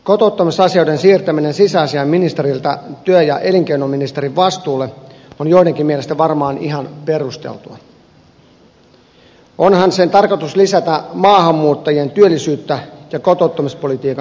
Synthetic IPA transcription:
ko̞t̪out̪ːɑmisɑsiojdensiːrt̪æmine̞nsisæːsiɑmminist̪eɾilt̪ɑt̪yøjɑ̰ʔeliŋk̟einomːinist̪eɾiʋʋɑst̪uːlːeonjoideŋkimːielest̪æʋɑrmɑːniɦɑnperust̪ḛlt̪uɑ̰ | ʔonhɑnse̞nt̪ɑrkot̪uslisæt̪æmɑːhɑmːuːt̪ːɑjie̞nt̪yølːisyːt̪ːæjɑko̞t̪out̪ːɑmispo̞lit̪iːkɑ

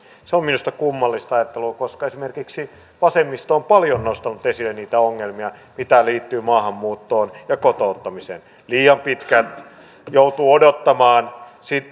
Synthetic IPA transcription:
seominust̪ɑkumːɑlːist̪ɑjɑt̪ːelukoskɑesimerkiksi | ʋɑsemːist̪ompɑljonnost̪ɑnut̪esilːeniːt̪æoŋːelmiɑmit̪æliːt̪ːyːmɑːhɑmːuːt̪ːoːnjɑkot̪out̪ːɑmisḛn | liːɑmpit̪kæt̪ | jout̪uːodot̪ːɑmɑːnsit̪

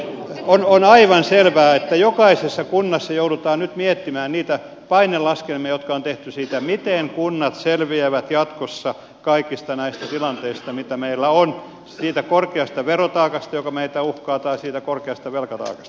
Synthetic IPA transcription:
ononɑiʋɑnselʋæːet̪ːæjokɑisesːɑkunːɑsːɑjoudut̪ɑːnnyt̪miet̪ːimæːnniːt̪æ | pɑinellɑskelmiɑjot̪kɑont̪eht̪ysiːt̪æmit̪eŋkunːɑt̪selʋieʋæt̪jɑt̪kosːɑ | kɑikist̪ɑnæist̪æt̪ilɑnt̪eist̪ɑmit̪æmeilːæon | siːt̪ækorkeɑst̪ɑʋerot̪ɑːkɑst̪ɑjokɑmeit̪æuhkɑːt̪ɑisiːt̪ækorkeɑst̪ɑʋelkɑt̪ɑ̰ːkɑ̥st̪ɑ

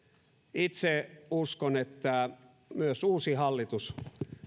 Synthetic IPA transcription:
it̪seuskonet̪ːæ | myøsuːsihɑlːit̪us

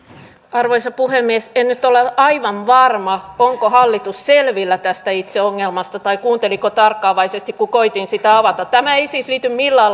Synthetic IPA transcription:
ɑrʋoisɑpuhemːiesennyt̪oleɑiʋɑnʋɑrmɑoŋkohɑlːit̪usselʋilːæt̪æst̪æit̪seoŋːelmɑst̪ɑt̪ɑikuːnt̪elikot̪ɑrkːɑːʋɑisest̪ikkukoit̪insit̪æɑʋɑt̪ɑt̪æmæeisiːˑsliːt̪ymmilːɑːl

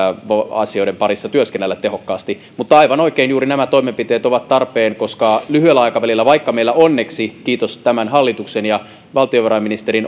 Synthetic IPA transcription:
ʋɑɑ̰sio̞iɾempɑɾisːɑt̪yøskenːælːæt̪ːehokːɑːst̪i | mut̪ːɑɑiʋɑnoikeːnjuːɾinæmæt̪oimempit̪eːt̪oʋɑt̪t̪ɑrpeːnkoskɑlyhyelːæɑikɑʋælilːæʋɑikːɑmeilːæonːeksikiːt̪ost̪æmænɦɑlːit̪uksenjɑ | ʋɑlt̪ioʋɑrɑminist̪eɾin

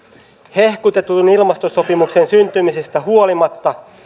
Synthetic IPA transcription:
he̞hkut̪e̞t̪unilmɑst̪oso̞pimukse̞nsynt̪ymise̞st̪æhuolimɑt̪ːɑ

